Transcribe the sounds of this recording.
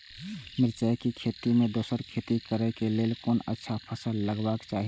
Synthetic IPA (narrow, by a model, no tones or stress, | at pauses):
mɪɾt͡ʃaekikʰeːt̪imẽd̪oːsəɾkʰet̪ikəɾɛkeleːlkoːnə̰tːʃʰapʰəsəlːəɡbaːkt͡ʃaːɦi